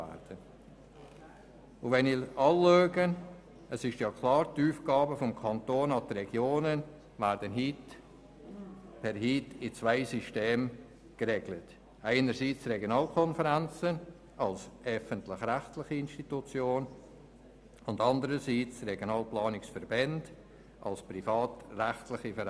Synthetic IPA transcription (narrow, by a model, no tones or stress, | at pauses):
ɛ̰ɾd̥ə | ʊvɛnɪlɑːløːɡən | əsɪʃjɑkʰlɑːɾtuːfɡ̥ɑːbəfɔmkʰɑntoːnɑd̪əɾɛɡjoːnən | væːɾdənɦiːt | pʰɛɾhiːtɪt͡svaɪsiʃteːm | ɡ̥əɾeɡlət | aɪnəɾsiːt͡srɛɡjonɑːlkʰɔnfəɾænt͡sən | ʔɑlsʔœfəntlɪχræχtlɪχiɪnʃtitut͡sjoːn | ʊndɑndəɾəsiːt͡srɛɡjonɑːlplɑːnɪksfəɾbɛnd̥ | ʔɑ̰lsprifɑːtræχtlɪχifəɾ